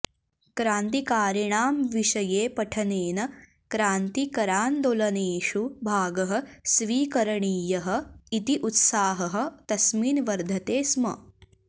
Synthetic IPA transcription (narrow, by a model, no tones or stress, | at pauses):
kɾaːnt̪ikaːɾjɐɳaːmʋiʂɐjeːpɐʈʰɐneːnɐ | kɾaːnt̪ikɐɾaːnd̪olɐneːʂubʱaːɡɐɦɐ̆sʋiːkɐɾɐɳiːjɐɦɐ̆it̪iʔut̪saːɦɐɦɐ̆t̪ɐsmiːnʋɐɾd̪ʱɐt̪eːsmɐ̰